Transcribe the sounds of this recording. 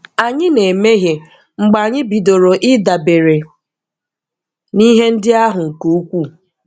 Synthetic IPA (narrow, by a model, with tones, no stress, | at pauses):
a˨ɲɪ˦ne˨me˦ɦje˨ | ŋ͡m̩˨ɡ͡ba˨ɲɪ˦bi˨do˨ɾo˨ʔɪ˦da˨be˨ɾe˨ | ni˦ɦe˦n̩˦dɪ˦a˦ɦʊ˨ŋ̩˨ku˦u˦kʷu˦